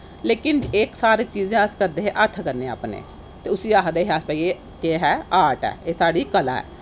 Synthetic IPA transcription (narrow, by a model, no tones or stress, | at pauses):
leːkɪneksaːɾeːt͡ʃiːzẽːəskəɾd̪eːɦẽːʔət̪ʰːkəɾnẽːa̰ːpnḛː | t̪eːʊsiːaːkd̪eːɦaːspəieː | keːɦɛːaːʈɛ̰ːeːsaːɽiːkəla̰ːɛ̰ː